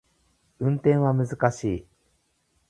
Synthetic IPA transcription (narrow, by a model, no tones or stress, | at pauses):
ɯ̟̃nt̪ẽ̞ɰ̃βamɯ̟zɨkaɕiː